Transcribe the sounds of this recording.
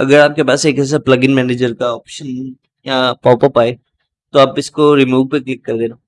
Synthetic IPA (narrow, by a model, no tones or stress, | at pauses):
ɐ̰ɡəɾaːp̚kepaːseːkɛːs̬aplɐɡɪnmɛːneːd͡ʒəɾkaɔːpʃən | japaːpapaːe | t̪oaːpɪskoɾɪmuːʋpeklɪkːɐɾd̪eːna